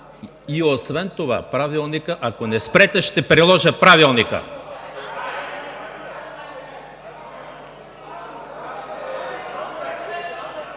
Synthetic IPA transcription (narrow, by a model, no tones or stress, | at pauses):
iosvɛnt̪ova̰pɾavilˠnikəʔakonɛspɾɛt̪ɛʃt̪ɛpɾilˠɔʒəpɾavilˠnikə̰